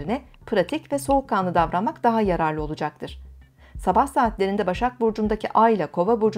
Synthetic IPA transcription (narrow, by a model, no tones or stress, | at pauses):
ɾinɛ | pʰɾat̪ʰicvɛso̞ukʰːaːnˠɯd̪avɾanmakd̪aɦajaɾaɾlˠɯo̞lˠud͡ʒak̚t̪ʰɯɾ̥ | sabahsaːt̪lʲe̞ɾind̪ɛbaʃak̚buɾd͡ʒund̪acʰiʔajlʲˠakʰo̞vabuɾd͡ʒ